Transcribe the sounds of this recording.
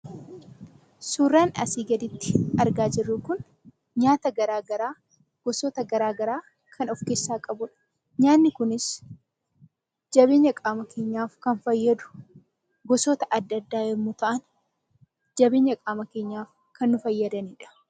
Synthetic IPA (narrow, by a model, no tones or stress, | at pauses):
suːrːaːnɐ̰siːɡɐd̪ɪt̪ːɪ̥ɐɾɡaːd͡ʒɪrːʊkʊn | ɲaːt̪ɐɡɐɾaːɡɐɾaː | ɡ̥ɔsoːt̪ɐɡɐɾaːɡɐɾaː | kʰɐnɔfkeːsːaːkʼɐbʊᶑɐ̥ | ɲaːnːɪkʊnɪs | d͡ʒɐβe̞ːɲːɐkʼaːmɐkʰe̞ːɲːaːfkɐnfɐjːɐd̪ʊ̥ | ɡɔsoːt̪ɐʔɐd̪ːɐd̪ːaːjɛɾmʊt̪ɐʔɐn | d͡ʒɐbe̞ːɲːɐkʼaːmɐke̞ːɲːaːf | kʰɐnːʊfɐjːɐd̪ɐniːᶑɐ̥